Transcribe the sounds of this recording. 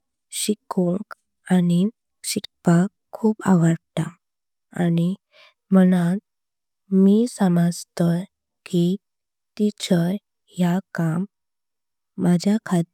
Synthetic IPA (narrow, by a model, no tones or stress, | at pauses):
ɕikuŋk | ani | ɕik̚pakʰːuːpa̰ʋəɾt̪a | ani | məñat̪ | misəmad͡zt̪ə | ki | t̪it͡ɕəɾ | jakam | ad͡ʑʱjakʰat̪